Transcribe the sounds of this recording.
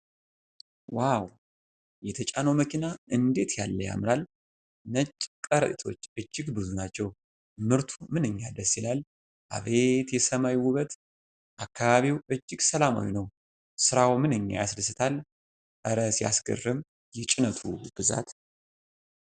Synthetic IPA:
waw | jɛt̪ʰət͡ʃʼanowməkʰinaɨnd̪e̞t̪ʰjalːəja̰mɨɾal | nət͡ʃʼːkʼəɾət̪ʼit̪ʰo̞̰t͡ʃːɨd͡ʒːɪɡbɨzunat͡ʃːɛw | mɨɾt̪ʰumɨnɨɲːad̪əsːilal | ʔa̰βe̞t̪jɛsəmawwʊβət̪ | ʔakʰːaβaβiwɨd͡ʒːɪɡsəlama̰winəw | sɨɾawmɨnɨɲːa̰jaslɨsɨt̪ʰal | ʔəɾəsja̰sɡə̰rːɨm | jɛt͡ʃʼɪnət̪ʰub̥ɨza̰t̪

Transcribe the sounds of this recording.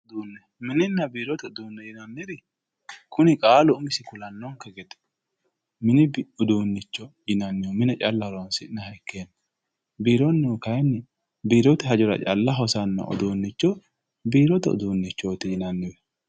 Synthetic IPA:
d̪uːnːɛ | mɪnɪnːɐbiːɾɔt̪ɛʊd̪uːnːɛjɪnɐnːɪɾɪ | kʰʊnɪkʼaːlɔʊmɪsɪkʊlɐnːɔŋkɐɡɛt̪ɛ̥ | mɪnɪʊd̪uːnːɪt͡ʃːɔjɪnɐnːɪjɔmɪnɛt͡ʃʼɐlːɐhɾwɐnsɪnɐhɐkːeːnː | biːɾɔnːɛɔkɐjnːɪ | biːɾɔt̪ɪɦɐd͡ʒɔɾɐ̰t͡ʃʼɐlːɐɦɔsɐnːɐ̰ʔɔ̰d̪uːnːɪt͡ʃːɔ | biːɾɔt̪ɛʊ̰d̪uːnːɪt͡ʃːoːt̪ɪjɪnɐnːɪwɛ

